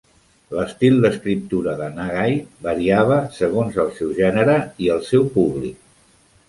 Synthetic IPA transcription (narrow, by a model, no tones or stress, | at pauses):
ləst̪ilˠd̪əskɾip̚t̪uɾəðənaɣajbəɾiaβ̞əsəɣ̞onzəlˠsɛwʒɛnəɾəiəlˠsɛwpuβlik̚